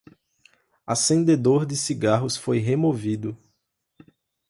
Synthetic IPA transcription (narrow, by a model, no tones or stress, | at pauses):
asẽnd̪ed̪oɾd̪ɪsiɡaɦʊsfojɦemovid̪ʊ